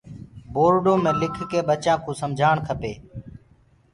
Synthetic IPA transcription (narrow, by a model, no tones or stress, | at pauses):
boːɾɖõːmẽːlɪkʰkeːɓət͡ʃãːkʰõːsəmd͡ʒʱaːɳkʰəpeː